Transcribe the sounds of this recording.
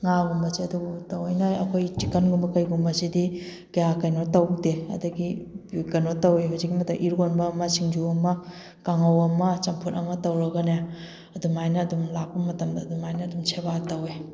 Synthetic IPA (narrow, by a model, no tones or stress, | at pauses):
ŋaɡumbɐsiɐduɡutɐwɐjnɐɐkʰojt͡ʃikɐnɡumbɐkɐjɡumbɐsidi | kɐjakɐjnotɐwdeɐ̰dɐɡibukɐnotɐweɦawzikːimɐtɐʔiɾɡonbɐmɐsiŋd͡ʒuɐmɐ | kaŋɐwɐmɐt͡ʃɐmpʰutɐmɐtɐwɾɐɡɐne | ɐdumajnɐːdumlak̚pɐmɐtɐmdɐːdumajnɐːdumsʰeβatɐwe